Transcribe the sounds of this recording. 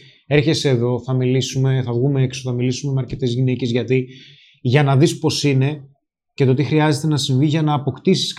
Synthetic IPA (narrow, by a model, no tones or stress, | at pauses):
e̞ɾçe̞seːðo̞θɐmilisume̞θɐvɣumeeksoθɐmilisume̞meɐɾce̞t̪ezʝine̞ce̞zʝɐt̪i | ʝɐnɐðispo̞sine̞ | ce̞t̪o̞t̪ixɾiɐze̞t̪e̞nɐsiɱviʝɐnɐːpo̞kt̪isi̥sk